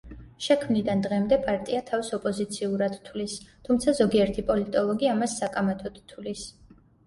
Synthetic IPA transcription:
ʃɛkʰmnid̪and̪ʁɛmd̪ɛpʼaɾt̪ʼiat̪ʰavisɔpʼɔzit̪sʰiuɾad̪̥t̪ʰwlist̪ʰumt̪sʰazɔɡiɛɾt̪ʰipʼɔlit̪ʼɔlˠɔɡiamasːakʼamɛt̪ʰɔt̪t̪ʰulis

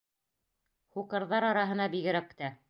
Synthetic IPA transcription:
χuqɤ̆ɾðɑɾɑɾɑɦɤ̆nɑbiɡɘ̆ɾækt̪æ

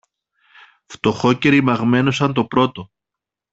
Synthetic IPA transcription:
ft̪o̞xo̞ce̞ɾimɐɣme̞no̞sɐnt̪o̞pɾo̞t̪o

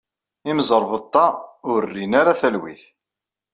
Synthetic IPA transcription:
imzˤəɾˤvət̪ˤːɑʊɾrːinaɾaθælwḭθ

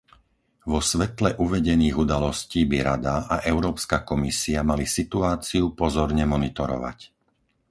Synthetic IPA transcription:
ʋɔsʋɛt̪lɛʔuʋɛɟɛniːɣud̪alɔsciːbiɾad̪aʔaʔɛʊɾɔːpskakɔmisiamalisit̪uaːt͡siupɔzɔɾɲɛmɔnit̪ɔɾɔ̰ʋa̰c

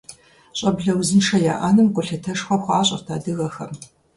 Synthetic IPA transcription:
ɕʼɐbɮɐwzɨnʂɐja̰ːʔaːnɨmkʷʼʊɬɐtʰɐʂxʷɐxʷaːɕʼɐ̰rtʰaːdɨɣɐxɐm

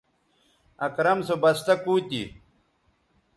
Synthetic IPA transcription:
ɐkɾɐmsobɐst̪ɐkuːt̪ḭ

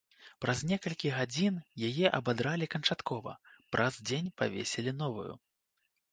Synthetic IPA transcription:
pɾɐzʲnʲɛkɐlʲkʲiɣad͡zʲinjajɛʔɐbad̪ɾalʲikɐnt͡ʂat̪kɔvɐ̰pɾʔɐzd͡zʲenʲpa̰vʲḛsʲelʲinɔvṵjṵ

